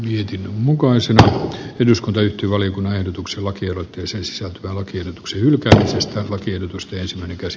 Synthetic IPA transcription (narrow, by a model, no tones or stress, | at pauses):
miet̪inmmukɑisenɑeduskunt̪ɑyht̪yʋɑlijokunːɑehdot̪ukselɑkielot̪ːeɑsensi̥sælt̪yʋælɑkiehdot̪u̥ksehylkæːmisest̪ælɑkiehdot̪ust̪eensimːˑæineŋkæsi̥